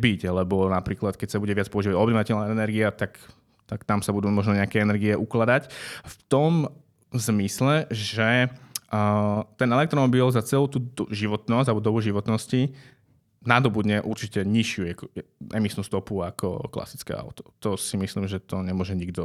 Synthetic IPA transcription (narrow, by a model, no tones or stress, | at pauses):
biɟlɛbɔnapɾiːklat̪kɛcsabuɟɛʋɪat͡spɔuʒiːʋaɟɔbnɔʋacɛlnaɛnɛɾɡiat̪ak | t̪akt̪amsabud̪uːmɔʒnɔɲɛakɛɛnɛɾɡiɛʔuklad̪acft̪ɔm | zmislɛʒɛ | t̪ɛnɛlɛkt̪ɾɔmɔbilzat͡sɛluʊt̪uːʒiʋɔt̪nɔsɟalbɔd̪ɔbuʒiʋɔt̪nɔsci | nad̪ɔbud̪ɲɛʔuɾt͡ʃicɛɲiʃɪuɛkɛɛmisnuːst̪ɔpuakʰɔ̰kla̰si̥t͡skɛ̰ːa̰ʊt̪ɔ̥t̪ɔsimisliːmʒɛt̪ɔɲɛmʊɔʒɛɲiɡd̪ɔ